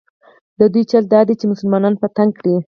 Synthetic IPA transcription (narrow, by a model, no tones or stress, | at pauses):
d̪əd̪ujt͡ʃald̪ɑd̪et͡ʃemʊsʊlmɑnɑnpət̪aŋɡ̚kɽi